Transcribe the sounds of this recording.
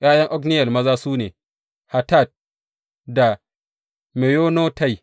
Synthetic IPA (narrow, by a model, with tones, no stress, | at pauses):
jaː˦jɐ˦ŋʔɔ˦kni˦jɐ˨lmɐ˦zaː˦suː˦nḛː˨ | ha˨ta˦˨t̚ | da˨ | me˨jo˦no˦ta˦˨j